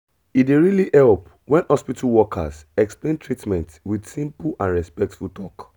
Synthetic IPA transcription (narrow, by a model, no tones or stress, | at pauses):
ideɹiliʔɛlp | wɛ̃nhɔspitʰalwɔkʰa̰sɛksplẽntʰɹitmɛ̃ntwidsĩmpulʔãnɹɛspɛk̚tfultʰɔk